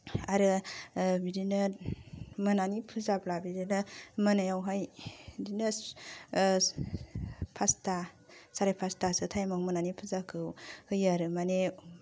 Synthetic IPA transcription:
aɾɯ | bidinɯ | mɯnanipʰɯzablabiɾinɯmɯnajawɦajdinɯ | pʰasta | saɾapʰastasɯtʰajmakmɯnanipʰɯzakʰɯwhɯjaɾɯmane

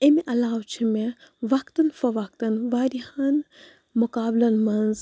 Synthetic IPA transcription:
emeʔɐlaːwt͡ʃʰimeʋɐkt̪ɐnfɐʋɐk̚t̪ɐnʋaːɾihaːn | mʊkaːblɐnmɐnz

